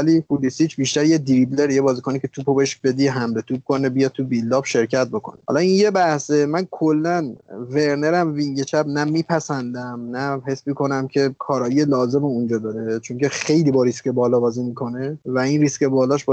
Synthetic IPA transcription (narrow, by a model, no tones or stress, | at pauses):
ælipʰulisiːt͡ʃʰbiʃt̪æɾjed̪iɾibleɾjebɒːzikʰonicʰe̞t̪ʰupʰobʃbe̞d̪iɦæmle̞t̪ʰub̚kʰo̞nebijɒːd̪̚t̪ʰubilːɒːbʃe̞ɾcʰæt̪̚bo̞kʰo̞̰ne̥hɒ̰lɒinje̞bæhsemænkʰolːænve̞ɾne̞ɾæmviŋɟet͡ʃʰæbnæmiːpʰæsænd̪æmnæɦe̞smikʰo̞næmcʰe̞kʰɒːɾɒːjijelɒːze̞meund͡ʒɒːd̪ɒːɾet͡ʃʰoŋcʰexe̞jliːbɒɾiscebɒːlɒbɒːzimiːkʰo̞nevæinriscebɒːlɒʃb